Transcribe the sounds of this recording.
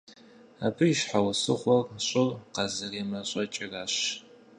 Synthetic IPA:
abʰɨjiʃħawɐsɨχʷɔrɕʼʊrqɐzɨreːmɐɕʼɐt͡ʃʼɪraːɕ

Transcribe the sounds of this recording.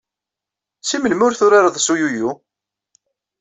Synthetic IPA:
simənmʊɾθʊɾaɾɑðˤsujuju

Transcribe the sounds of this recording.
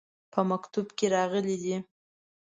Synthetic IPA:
pʰəmakt̪ubkeɾɑɣəlid̪i

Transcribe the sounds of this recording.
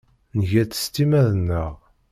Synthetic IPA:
nʝæt͡sːə̥st̪imæðənːəʁ

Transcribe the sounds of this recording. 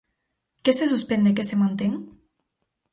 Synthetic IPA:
kesesuspend̪ekesemant̪eŋ

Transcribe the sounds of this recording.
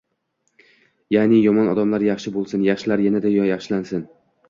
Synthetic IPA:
janɪjɒmɒnɒd̪amlaɾjɑχʃɪbolˠsɪnjaχʃɪlaɾjanad̪ajɒjɑχʃɪlansɪn

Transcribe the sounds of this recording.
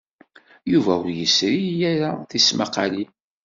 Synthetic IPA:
juvæʊɾjəsɾijæɾaθismaqali

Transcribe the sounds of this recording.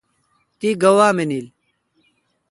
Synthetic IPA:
t̪iːɡɐwaːmeniːl

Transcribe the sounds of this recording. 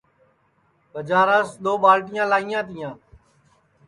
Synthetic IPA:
kəd͡ʒaːɾãːsɗ̪oːɓaːlʈɪjãːlaːijãːt̪ɪjãː

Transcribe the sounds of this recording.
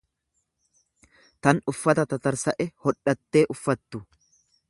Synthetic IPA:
t̪ɐnʊfːɐt̪ɐt̪ɐt̪ɐɾsɐʔɛhɔᶑːɐt̪ːe̞ːʔʊfːɐt̪ːʊ

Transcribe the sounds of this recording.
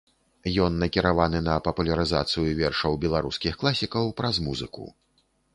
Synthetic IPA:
jɔnːɐkʲiɾavanɨnɐpɐpulʲɐɾɨzat̪sɨjuvʲɛrʂɐwbʲɛlˠaɾuskʲixklˠasʲikɐwpɾɐzmuzɨ̰kṵ

